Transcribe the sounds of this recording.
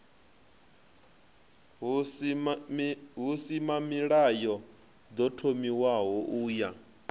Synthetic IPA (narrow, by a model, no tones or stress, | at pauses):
ɦusimamiɺajɔ | d̪ɔtʰomiwaɦɔʔuːja